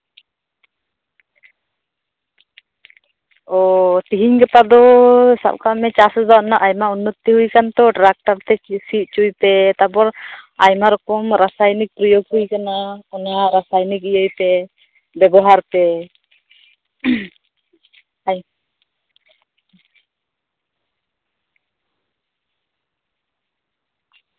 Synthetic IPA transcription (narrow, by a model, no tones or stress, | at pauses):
ɔt̪iɦiɲɡɛp̪ad̪ɔsa̰b̚kamɛt͡ʃasɔd̪anaʔajmaunːɔt̪ːiɦujkant̪ɔʈɾak̚ʈaɾt̪ɛsit̪̚t͡ʃujpɛt̪abɔɾajmaɾɔkɔmɾasajnik̚pɾɔjoɡɦujkanaɔnaɾasajnikijəjpɛ | bɛbɔɦaɾpɛ | j